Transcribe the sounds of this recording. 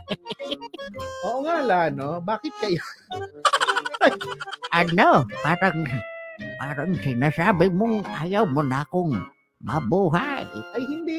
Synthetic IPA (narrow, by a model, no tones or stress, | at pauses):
oʔoŋalanobaːkɪt̪̚kajo | ajʔanobaːɾaŋ | baːɾaŋsɪnasaːbɪmʊŋʔaːjawmʊnaːkʊŋ | ma̰buɦajajhɪnd̪i